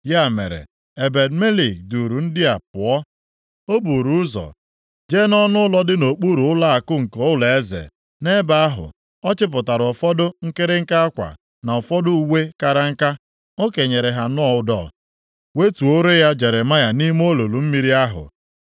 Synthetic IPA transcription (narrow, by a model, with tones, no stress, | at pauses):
ja˦˨mḛ˨ɾḛ˨ | e˨be˨dme˦li˨k̚du˨ɾu˨n̩˦dɪ˦a˨pʊ˨ɔ˦ | o˦bu˨ɾu˨ʊ˦zɔ̰˨ | d͡ʒe˦nɔ˦nʊ˦ʊ˦lɔ˦dɪ˦no˨k͡pu˦ɾu˨ʊ˦la˦a˨kʊ˦ŋ̩˨ko˦ʊ˦le˨e˦zḛ˨ | ne˦ba˦a˦ɦʊ̰˨ | ɔ˦t͡ʃɪ˦p̬ʊ˨ta˨ɾfɔ˦dʊ˦ŋ̩˦ke˦ɾɪ˦ŋ̩˦ka˦a˦kʷa̰˨ | na˨ɔ˨fɔ˦dʊ˦u˨we˦ka˨ɾa˦ŋ̩˦ka˦ | o˦ke˨ɲe˨ɾe˨ɦa˨n˦ɔ˦ʊ˦dɔ̰˨ | we˦tu˨o˦ɾe˦ja˦d͡ʒe˨ɾe˨ma˦ja˨ni˦m˦o˦lo˨lu˨m̩˦mi˦ɾi˦a˦ɦʊ̰˨